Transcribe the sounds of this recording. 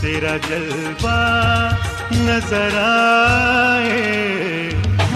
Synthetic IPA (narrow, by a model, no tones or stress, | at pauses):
t̪eːɾad͡ʒɐl | ba | nɐzəɾa | ɦe